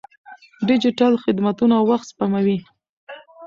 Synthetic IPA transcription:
ɖɪd͡ʒɪʈalxɪd̪mat̪unawwːaxt̪spamawi

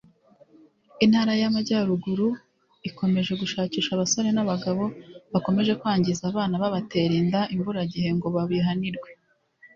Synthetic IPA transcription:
inhaɾajamaɟaːɾuɡuɾu | iko̞me̞ʒe̞ɡuʃaːciːʃaβasoɾe̞naβaɡaβo̞βako̞me̞ʒe̞kwaːɲɟizaːβaːnaβaβate̞ːɾiːndaʔimvuɾaɟihe̞ŋɡo̞βaβiɦaniɾɡwe

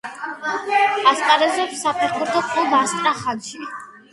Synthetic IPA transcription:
ast̪ʼaɾɛzɛpsapʰikʰuɾd̪ɔpʼubast̪ʼɾaχad̪ʃi

